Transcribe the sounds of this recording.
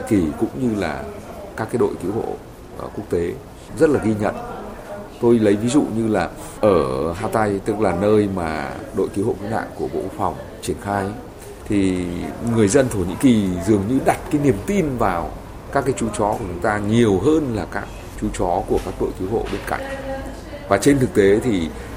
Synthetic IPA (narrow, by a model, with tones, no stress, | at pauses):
i˧˥ki˨˩kʊ̰˧˥ŋ͡mɲɨ˧la̰ː˨˩kaː˦˥kːaː˨˦jɗo̰˧˨jki˨˦wɦo̰˧˨˩ | ku˦˥ək̚t̪e˨˦ | zə˦˥t̚laː˨˩ɣi˧ɲə̰˧˨n | t̪o˧jlə˨˦jvi˨˦zṵ˧˨ɲɨ˧laː˨˩ | ʔəː˧˩ɦaː˧t̪a˧jt̪ɨ˦˥k̚laː˨˩nəː˧jmaː˨˩ɗo̰˧˨jki˨˦who̰˧˨˩ki˨˦ŋha̰ː˧˨ŋku˧˩əɓo̰˧˨kwk̚fa˨˩wŋ͡m | t͡ɕi˧˩ənxaː˧j | t̪ʰi˨˩ŋɨ˨˩əjzə˧nt̪ʰo˧˩ɲḭ˧˥ki˨˩zɨ˨˩əŋɲɨ˧ɗa˨˩t̚kaː˨˦jni˨˩əmt̪i˧nvaː˨˩w | kaː˦˥kːjt͡ɕu˨˦t͡ɕɔ˨˦ku˧˩ə˩t͡ɕʊ˨˦ŋ͡mt̪aː˧ɲi˨˩əwɦəː˧nlaː˨˩kaː˦˥k̚ | t͡ɕu˨˦t͡ɕɔ˨˦ku˧˩əkaː˦˥k̚ɗo̰˧˨jt̪i˨˦wɦo̰˧˨ɓe˧nka̰˧˩˨jŋ̟ | vaː˨˩t͡ɕe˧nt̪ʰɨ˨˩k̚t̪e˨˦t̪ʰi˨˩